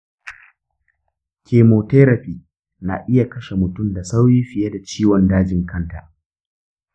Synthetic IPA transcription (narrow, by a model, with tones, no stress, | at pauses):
kʲʰeː˨moː˨teː˦ɾɐ˨ɸiː˨ | na˨ʔɪ˦ja˨kɐ˦ʃe˨mʊ˨tʊ˦˨mda˨sa˦wjiː˦ɸɪ˨ja˦da˨t͡ʃiː˦wɔ˨ndaː˦d͡ʒɪ˨ŋkʰɐ˦˨nta˨ʔ